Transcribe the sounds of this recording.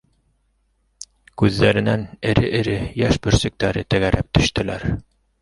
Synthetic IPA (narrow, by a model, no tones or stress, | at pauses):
kʉðːæɾɘ̆nænɘ̆ɾɘʔɘ̆ɾɘjæʃbɵ̆ɾsɘ̆k̚t̪æɾɘt̪ɘ̆ɡæɾæp̚t̪ɵ̆ʃt̪ɘ̆læɾ